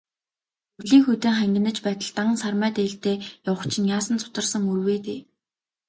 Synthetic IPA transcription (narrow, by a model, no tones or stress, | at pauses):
ɵɮiːŋxut̪eːŋχæŋɡʲɪ̆nə̆t͡ɕpæːt̪ə̆ɬt̪ăʁə̆nsarmæːt̪eːɬt̪eːjawə̆kt͡ɕʰɪ̆njaːsə̆nt͡sʊ̥t̪ə̆rsə̆ŋurweːt̪eː